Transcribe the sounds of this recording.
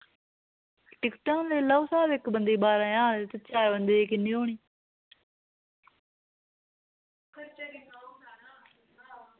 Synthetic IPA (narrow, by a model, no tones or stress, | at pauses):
ʈɪkʈãːleːləːsaːbɪkbənd̪iːbaːɾãːjãːnːt̪ət͡ʃaːɾbənd̪eːeːkɪnːiːɦoːɳ̃iː